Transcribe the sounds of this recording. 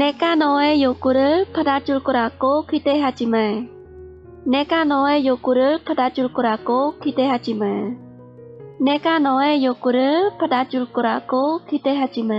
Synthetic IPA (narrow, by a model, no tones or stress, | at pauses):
ne̞ɡanʌe̞joɡuɾɯɭpadad͡ʑuɭk͈ʌɾaɡokideɦad͡ʑimaɭ | ne̞ɡanʌe̞joɡuɾɯɭpadad͡ʑuɭk͈ʌɾaɡokide̞ɦad͡ʑimaɭ | ne̞ɡanʌe̞joɡuɾɯɭpadad͡ʑuɭk͈ʌɾaɡokideɦad͡ʑima